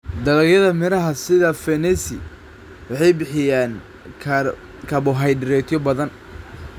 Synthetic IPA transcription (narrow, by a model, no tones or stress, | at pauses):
d̪ɐlɐɣjɐðɐmɪɾɐɦɐsɪðɐfɛnɛsɪ | wɑħɑjbɪħɪjaːnʰ | kʰɐbʊɦɐjɖɪɾɛt̪ʰjɔbɐðɐn